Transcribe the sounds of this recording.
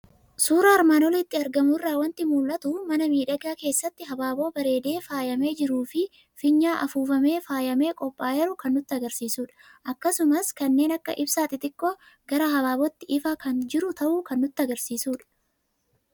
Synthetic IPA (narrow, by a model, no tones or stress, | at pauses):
suːɾaːɾmaːnɔlɪt̪ːɪɐɾɡɐmʊɪrːaːwɐnt̪ɪmuːlʔɐt̪ʊmɐnɐmiːᶑɐɡaːke̞ːsːɐt̪ːɪɦɐbaːbo̞ːbɐɾe̞ːd̪e̞ːfaːjɐme̞ːd͡ʒɪɾuːfɪ | fɪɲːaːʔɐfuːfɐme̞ːfaːjɐme̞ːkʼɔpʼːaːjɛɾʊkɐnːʊt̪ːɪɐɡɐɾsiːsuːᶑɐ̥ | ʔɐkːɐsʊmɐskɐnːe̞ːnɐkːɐ̰ʔɪbsaːt̪ːɪt̪ɪkːo | ɡɐɾɐhɐbaːbɔt̪ːɪʔɪfaːkɐnd͡ʒɪɾʊt̪ɐʔuːkɐnːʊt̪ːɪɐɡɐɾsiːsuːᶑɐ̥